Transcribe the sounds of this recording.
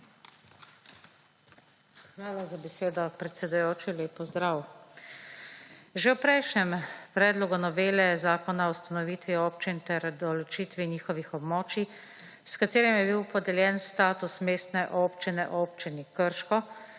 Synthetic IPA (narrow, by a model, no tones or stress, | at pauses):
xʋaːlazabɛseːd̪ɔpɾɛt̪sɛd̪ujoːt͡ʃileːpɔzd̪ɾaw | ʒɛwpɾɛjʃnɛmpɾɛːd̪lɔɡunɔʋeːlɛzaːkɔnawst̪anɔʋiːt̪ʋioːpt͡ʃint̪ɛɾd̪ɔlɔt͡ʃiːt̪ʋiniːxɔʋixɔbmoːt͡ʃi | skat̪eːɾimjɛbiwpɔd̪ɛljɛːnst̪aːt̪usmeːst̪nɛʔoːpt͡ʃinɛʔoːpt͡ʃinikəɾʃkɔ